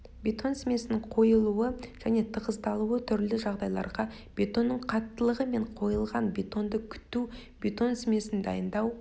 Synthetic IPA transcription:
bʲe̞t̪o̞nsme̞sɪnɪɴqʰo̞jəlˠuəʒ̥æne̞t̪ʰəʁəzt̪ɑlˠuwət̪ʰʏɾlɪʒɑʁd̪ɑjlˠɑ̰ɾʁɑ | b̥e̞t̪o̞nːəɴqʰɑt̪ːəlˠəʁəme̞ɴqʰo̞jəlˠʁɑnbʲe̞t̪o̞nd̪əkʲʰʏ̥t̪ːu | be̞t̪o̞nsme̞sɪnd̪ɑjənd̪ɑw

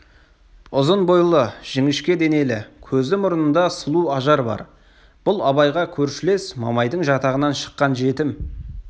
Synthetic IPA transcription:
ʊzənbojlˠəʒ̥ɪŋɪʃkʲe̞d̪e̞ne̞lɪkʲʰɵzd̪ɪmʊɾənənd̪ɑsəlˠuɑʒɑɾbɑ̰ɾ | b̥ʊlˠɑβɑjʁɑkʲʰɵɾʃɪle̞smɑ̰mɑjd̪əɴʒɑt̪ɑʁənɑnʃə̥qːɑnʒe̞t̪ɪm

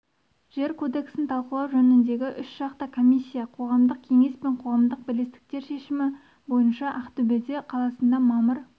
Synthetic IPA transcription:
ʒ̥e̞ɾkʰo̞d̪e̞ksɪnt̪ʰɑlˠqəlˠɑwʒɵnɪnd̪e̞ɡʲɪʔʏsʒ̥ɑqt̪əkʰo̞mʲijsʲːijɑqʰo̞ʁɑmd̪əq̚kʲʰe̞ŋe̞spe̞ɴqʰo̞ʁɑmd̪əq̚bɪlest̪ɪ̥k̚t̪e̞ɾʃe̞ʃɪmɪ | bo̞jənʃɑʔɑqt̪ɵbed̪eqʰɑlˠɑsənd̪ɑmɑməɾ

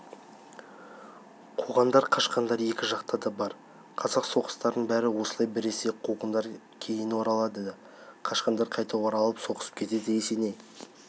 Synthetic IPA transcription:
qʰuʁɑnd̪ɑɾqʰɑʃqɑnd̪ɑɾje̞kʲɪʒɑqt̪ɑd̪ɑbɑɾ | qʰɑzɑqso̞qə̥st̪ɑɾd̪əɴbæɾɪwo̞səlˠɑjbɪɾeseqʰuʁənd̪ɑɾ | kʲʰe̞jɪnwo̞ɾɑlˠɑd̪ə | qʰɑʃqɑnd̪ɑɾqʰɑjt̪ɑwoɾɑlˠəpso̞qə̥sə̥p̚kʲʰe̞t̪e̞d̪ɪjese̞ne̞j

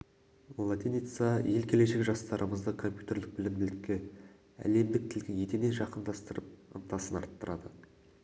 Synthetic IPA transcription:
lˠat̪ʲenit̪saje̞lkʲʰe̞le̞ʃe̞kʲʒɑst̪ɑɾʔəməzd̪əkʰo̞mpʲjut̪ʲe̞ɾd̪ɪq̚bɪlɪmbɪlɪkʲːe | æ̰le̞md̪ɪk̚t̪ʰɪlɡʲɪje̞t̪ene̞nʒɑqənd̪ɑst̪əɾəp̚ə̰nt̪ɑsənɑ̰ɾt̪ːəɾʔɑd̪ə

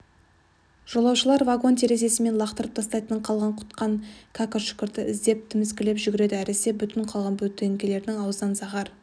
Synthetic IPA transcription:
ʒ̥olˠɑwʃəlˠɑɾvaɡo̞nt̪ʰeɾe̞ze̞sɪme̞nlˠɑqt̪əɾəp̚t̪ʰɑst̪ɑjt̪əɴqʰɑlˠʁɑɴqʰʊ̥t̪qɑŋkʰakoʃʏ̥kʲɪɾt̪ɪʔɪzd̪e̞p̚t̪ʰʏmɪskʲɪle̞pʒʏɡʲɪɾe̞d̪ɪæɾese̞bʏt̪ɪɴqʰɑlˠʁɑnbɵt̪ːeŋɡʲele̞ɾd̪ɪŋɑwznɑnsɑʁɑɾ

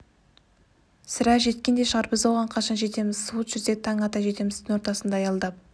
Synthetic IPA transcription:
sɪɾæʒe̞t̪kʲe̞nd̪e̞ʃəʁɑɾbɪzwoʁɑɴqʰɑʃɑnʒe̞t̪e̞mɪz̥suwət̪ʒʏzd̪e̞t̪ʰɑŋɑt̪ɑʒe̞t̪e̞mɪzɪŋo̞ɾt̪ɑsənd̪ɑːjɑlˠd̪ɑp̚

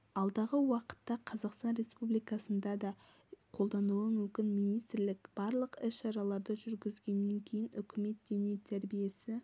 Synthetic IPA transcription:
ɑlˠd̪ɑʁəwɑqə̥t̪ːɑqʰɑzɑqst̪ɑnɾe̞spublijkɑsənd̪ɑd̪ɑ | qʰo̞lˠd̪ɑnuəmʏmkʲɪnmijnijst̪ɾlɪkb̥ɑɾlˠəqɪsʃɑɾɑlˠɑɾd̪ɑʒʏɾɡʲɪzɡʲe̞nːe̞ŋkʲʰe̞jɪnʏkʲʰɪme̞t̪̚d̪̥e̞net̪ʰæɾbije̞sɪ

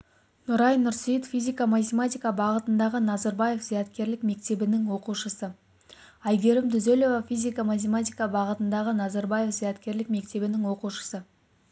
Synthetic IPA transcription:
nʊɾɑjnːʊɾsijət̪fʲizʲijkamat̪ʲemat̪ʲijkabɑʁət̪ənd̪ɑʁənɑzɑɾbɑje̞fzijɑt̪kʲe̞ɾlɪkme̞kt̪e̞bɪnɪŋwo̞quʃəsə | ɑjɡʲe̞ɾɪmt̪ʰʏzelo̞vafʲizʲijkamat̪̬ʲemat̪ʲijkabɑʁət̪ənd̪ɑʁənɑzɑɾbɑje̞fzijɑt̪kʲe̞ɾlɪk̚me̞k̚t̪e̞bɪnɪŋwo̞quʃə̥sə

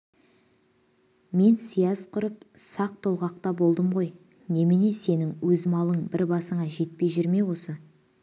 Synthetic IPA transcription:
me̞nsijɑzqʰʊɾəpsɑq̚t̪ʰolˠʁɑq̚t̪ɑbo̞lˠd̪əmʁo̞j | ne̞mene̞se̞nɪŋwɵzmɑlˠəɴbɪɾbɑsəɴɑʒe̞t̪̚pe̞jʒʏɾme̞wo̞sə

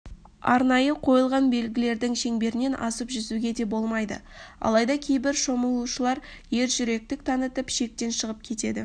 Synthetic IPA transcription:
ɑ̰ɾnɑjəqʰo̞jəlˠʁɑnbe̞lɡʲɪle̞ɾd̪ɪŋʃe̞ŋbe̞ɾɪne̞nʔɑ̰səpʒʏzuɡʲe̞d̪e̞bo̞lˠmɑjd̪ə̰ | ɑ̰lˠɑjd̪ɑkʲʰe̞jbɪɾʃo̞məlˠuʃəlˠɑɾ | je̞ɾʒʏɾe̞k̚t̪ɪk̚t̪ʰɑnət̪əpʃe̞k̚t̪e̞nʃəʁəp̚kʲʰe̞t̪e̞d̪ɪ̰

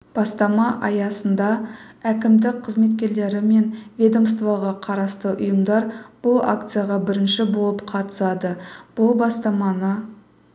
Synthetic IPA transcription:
b̥ɑst̪ɑmɑʔɑjɑsənd̪ɑækʲɪmd̪ɪkqʰəzme̞t̪kʲe̞ɾle̞ɾɪme̞nvʲe̞d̪omst̪vɑʁɑqʰɑɾɑst̪əʔʊjəmd̪ɑɾb̥ʊlˠa̰kt̪sɨjaʁɑbɪɾɪnʃɪbo̞lˠəpqʰɑt̪ə̥sɑd̪əb̥ʊlˠbɑst̪ɑmɑnə

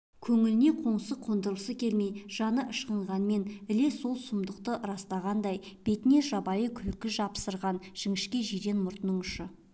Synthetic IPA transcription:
kʲʰɵŋɪlɪne̞qʰo̞ɴsəqʰond̪əɾəlˠsəkʲʰe̞lme̞jʒ̥ɑnəʔəʃqəɴʁɑnme̞nɪle̞so̞lˠsʊmd̪əqt̪əɾɑst̪ɑʁɑnd̪ɑjb̥e̞t̪ɪne̞ʒɑbɑjəkʲʰʏlkʲɪʒɑpsəɾʁɑnʒ̥ɪŋɪʃkʲe̞ʒijɾe̞nmʊɾt̪nəɴʏʃə

